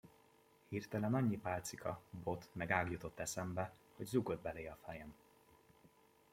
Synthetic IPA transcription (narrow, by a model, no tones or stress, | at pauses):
hiːrt̪ɛlɛnɒɲːipaːlt̪sikʰɒbo̞t̪mɛɡaːɡjut̪o̞t̪ːɛsɛmbɛho̞ɟzuɡo̞d̪̚bɛleːɒfɛjɛm